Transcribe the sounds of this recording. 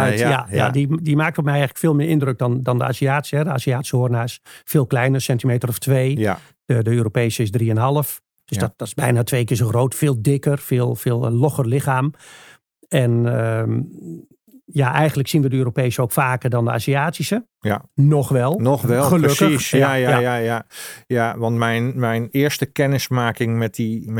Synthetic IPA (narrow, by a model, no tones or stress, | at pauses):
œtjaja̰didimaːk̚tɔmɛjɛjɣələkfeːlˠmɪːɪndrøk̚dɔndɔndəa̰ːsiaːtsəɦɛdəa̰ːsiaːti̥səhoərnaɪsfeːlˠklɛjnəsɛntimeːtərɔftʰʋeː | ədəøːɾopeːsəɪsdriənɦɑlˠəf | d̥øsdɔtd̥ɔtɪ̥sbɛjnatʰʋeːkɪsoxroːtfɪːlˠdɪkərfɪːlˠfɪːlˠlɔxərlɪxaːm | ɛnə | jaʔɛjɣəndləksinʋədəøːɾopeːsəoːkfaːkərdɔndəa̰ːsiaːtisə | nɔxʋɛlˠnɔxʋɛlˠxəløkəjajaajajajaʋɑntmɛjnmɛjnɪəɹstəkɛnɪsmaːkɪŋmɛt̚i